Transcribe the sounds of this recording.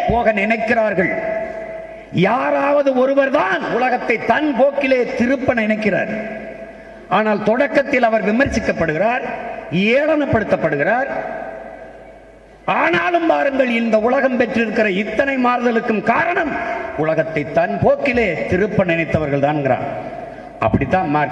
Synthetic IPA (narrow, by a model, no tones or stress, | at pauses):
poːɣɐnɪnɐɪkːɪraːɾɣɐɭ | jaːɾaːʋɐðɯɔɾɯʋɐɾðaːnʊɭɐɣɐt̪ːɐɪt̪ːɐnpoːkːɪleːt̪ɪɾɯpːɐnnɪnɐɪkːɪra̰ːɾ | aːnaːlt̪ɔɽɐkːɐt̪ːɪlɐʋɐɾʋɪmɐɾt͡ʃɪkːɐpːɐɽɯɣɪraːɾeːlɐnɐpːɐɽɯt̪ːɐpːɐɽɯɣɪraːɾ | aːnaːlɯmpaːɾɯŋɡɐɭɪnd̪ɐʊɭɐɣɐmpɛʈrɪɾɯkːɪrɐɪt̪ːɐnɐɪmaːɾðɐlɯkːɯmkaːɾɐɳɐmʊlɐɣɐt̪ːɐɪt̪ːɐnpoːkːɪleːt̪ɪɾɯpːɐnɪnɐɪt̪ːɐʋɐɾɣɐɭt̪aːnŋɡɪra̰ːn | ɐ̰pːɐɽɪt̪ːaːnmaːɾ